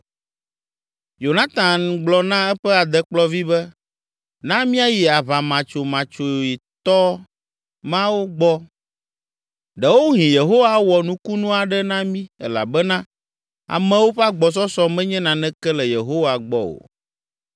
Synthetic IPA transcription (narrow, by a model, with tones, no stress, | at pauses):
jo˨nã˦t̪ã˨nɡ͡blɔ˨nã˦ɛ˦ɸɛ˦a˨d̪ɛ˦k͡plɔ˦vi˦bɛ˦ | nã˦mĩ˦a˦ji˨a˨βa˨mã˨t͡ʃo˨mã˨t͡ʃo˨ji˨t̪ɔ˦ | mã˦wo˦ɡ͡bɔ˦ | ɖɛ˨wo˦ɦĩ˨je˨ɦo˦wa˦wɔ˨nũ˦ku˦nũ˦a˨ɖɛ˦nã˦mĩ˦ɛ̰˦la̰˨bɛ˦nã˦ | a̰˨mɛ̃˦wo˦ɸɛ˦a˦ɡ͡bɔ˨s̬ɔ˦sɔ˦mɛ̃˦ɲɛ̃˦nã˨nɛ̃˦kɛ˦lɛ˨je˨ɦo˦wa˨ɡ͡bɔ˦o̰˨